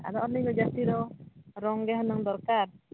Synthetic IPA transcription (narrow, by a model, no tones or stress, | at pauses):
a̰ɾɔʔɔliɡɔd͡ʒat̪iɾɔɾɔŋɡɛɦɔnɔŋd̪ɔɾkaɾ